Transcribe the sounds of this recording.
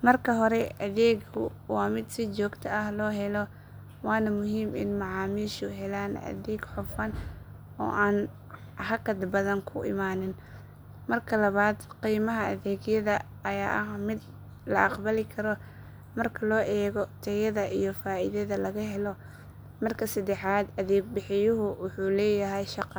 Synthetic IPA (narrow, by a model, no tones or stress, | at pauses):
mɐrkʰɐɦɔɾɛʔɐðɛːɡʊ | wɑːmɪd̪sɪt͡ʃɔːɡt̪ʰɐɐhlɔːɦɛlɔ | wɑːnɐmʊɦiːmɪ̰nmɑʕɑːmiːʃʊɦɛlaːnɐ̰ðɛːɡħʊfɐn | ɔ̰ːʔaːn | hɐkɐd̪bɐðɐŋkʰʊʔɪ̰maːnɪn | mɐrkʰɐlɐβaːd̪qiːmɐɦɐʔɐðɛːɡjɐðɐ | ɐjaːʔɐhmɪd̪ | lɐ̰ʔɑqbɐlɪkʰɐɾɔ | mɐrkʰɐlɔːʔɛːɣɔt̪ʰɐjɐðɐʔijɔfaːʔɪðɐðɐlɐɣɐɦɛlɔ | mɐrkʰɐsɐd̪ɛħaːd̪ɐðɛːɡ̚bɪħɪjʊɦʊwʊħuːlɛːjɐɦɛjʃɑqː